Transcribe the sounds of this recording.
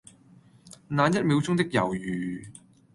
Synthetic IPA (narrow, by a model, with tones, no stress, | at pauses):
naː˨˧njɐ˥t̚miː˨˧wt͡sʊ˥ŋt̪ɪ˥k̚jɐ̰˨˩wjyː˨˩